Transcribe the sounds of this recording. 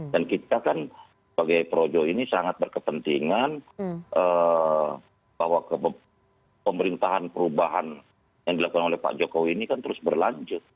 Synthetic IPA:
dankit̪akan | səbaɡajpəɾod͡ʒɔinisaŋat̪̚bərkəpənt̪iŋanʔə | b̥ahwakə | pəməɾint̪aɦanpəɾubaɦan | jaŋdilakukanolɛhpa̰ʔd͡ʒokowiːnikant̪əɾʊsbərlaɲd͡ʒʊt̪̚

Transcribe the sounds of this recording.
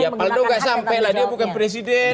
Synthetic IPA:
japaldoɡasampajladiabukanpɾɛs̬idɛ

